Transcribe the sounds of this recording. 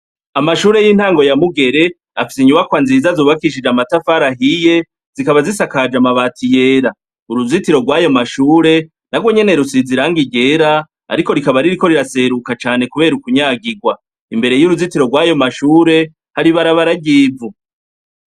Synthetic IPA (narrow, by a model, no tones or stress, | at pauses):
amaʃuːɾe̞jiːn̥haːŋɡo̞jamuɡe̞ɾe̞ | afi̥siɲuβakwanziːzazoːβakiʃ̬id͡ʒamatafaɾaɦije̞ | z̥ikaβazisakad͡ʒamaβaːtʰije̞ɾa | uɾuzitiɾo̞ɡwaːjo̞maʃuːɾe̞ | naɡwo̞ɲe̞ne̞ɾusiziɾaŋɡiɟe̞ɾa | a̰ɾiko̞ɾikaβaɾiɾiko̞ɾiɾase̞ɾukat͡ʃaːne̞kuβe̞ːɾukuɲaːɡiɡwa | imbe̞ɾe̞juɾuzitiɾo̞ɡwaːjo̞maʃuːɾe̞ | haɾiβaɾaβaɾaɟiːvu